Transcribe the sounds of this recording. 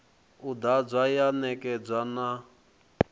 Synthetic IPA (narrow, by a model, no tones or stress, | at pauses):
ud̪ad͡zʷajanɛkʼɛd͡zʷana